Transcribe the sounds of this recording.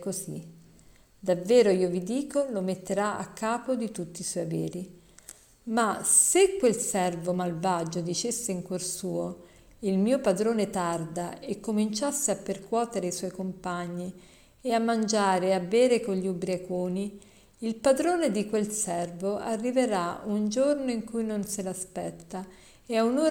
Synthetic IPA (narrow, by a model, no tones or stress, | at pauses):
kozḭ | d̪avːɛːɾoiːovid̪iːkolomet̪ːeɾaa̰kʰːaːpod̪it̪ut̪ːiːswɔjvḛːɾi | masekːwelsɛrvomalvaːd͡ʒod̪it͡ʃesːeiŋkworsuːo | ilmiːopad̪ɾoːnet̪ard̪aekːomint͡ʃasːeapːerkwɔːt̪eɾeiswɔjkompaɲːi | eamːand͡ʒaːɾeabːɛːɾekoʎʎːiubɾjakoːniː | lpad̪ɾoːned̪ikwelsɛrvoʔarːiveɾaund͡ʒornoiŋkujnonselaspɛt̪ːa | eaunoː